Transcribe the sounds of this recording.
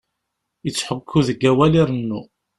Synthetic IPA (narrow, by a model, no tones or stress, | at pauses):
jət͡sːħəkʰːuðəɡːæwæliɾənːu